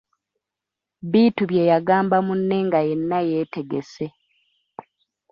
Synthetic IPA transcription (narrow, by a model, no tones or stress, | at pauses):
βiːtuβje̞ːjaɡaːmbamunːeŋɡaje̞nːaje̞ːte̞ɡese